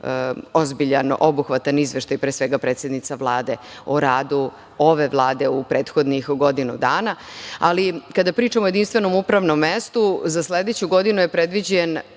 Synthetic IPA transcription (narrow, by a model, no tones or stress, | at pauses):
o̞zbiʎanobuxʋat̪anizʋeʃt̪ajpɾeːsʋeɡapɾet̪sʲe̞d̪nit̪savlˠaːd̪e̞ | oɾaːd̪u | o̞ʋe̞vlˠaːd̪eupɾeːt̪xo̞d̪nixɡod̪inud̪aːnaalikad̪apɾiːt͡ʂamoje̞d̪inst̪ʋe̞no̞mupɾaʋno̞mːest̪uzasled̪et͡ɕuɡo̞d̪inuje̞pɾed̪ʋid͡ʑen